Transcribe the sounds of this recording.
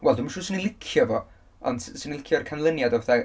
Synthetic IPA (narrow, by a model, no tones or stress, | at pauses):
wɛlˠdʊmaʃuːsɪnilˠɪkʰjɔvɔ | ɔ̰ndsinilɪkʰjɔrkʰanlˠənjadɔvɛθɛ